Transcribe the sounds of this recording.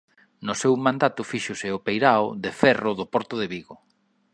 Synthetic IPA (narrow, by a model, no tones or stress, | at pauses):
nʊsewmãnd̪at̪ʊfiʃʊsɪʊpejɾaoðefɛrʊðʊpɔɾt̪ʊðeβiɣo